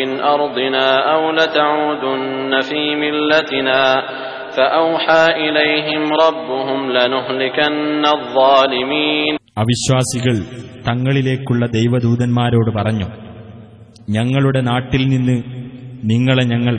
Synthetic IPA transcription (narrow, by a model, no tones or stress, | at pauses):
ɪnʔɑɾˤd̪ˤɪnaːʔawlat̪aʕuːd̪ʊnːafiːmɪlːat̪ɪnaː | faʔawħaːʔɪlejɦɪmɾˤɑbːʊɦʊmlanʊɦlɪkanːaðˤːɑːlɪmiːnɐʋiɕwaːsiɣɐɭt̪ɐŋːɐɭile̞ːkːuɭːɐd̪e̞jʋɐd̪uːðɐnmaːɾo̞ːɽɨpɐrɐɲːu | ɲɐŋːɐɭuɽe̞naːʈːilninːɨniŋːɐɭeɲɐŋːɐɭ